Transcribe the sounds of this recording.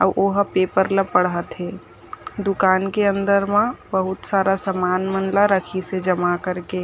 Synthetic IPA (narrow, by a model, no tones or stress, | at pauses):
ə̰ʔoːɦpeːpəɾləpəɽət̪ɦe | d̪ʊkaːnkeə̃nd̪əɾmãbəɦʊt̪saːɾasəmaːnmənlaɾəkʰised͡ʒəmakəɾke